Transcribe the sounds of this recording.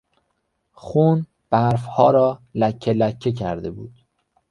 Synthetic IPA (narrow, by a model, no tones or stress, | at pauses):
xuːn | b̥æɾfhɒːɾɒːlæcʰːelæcʰːecʰæɾd̪e̞buːd̪̥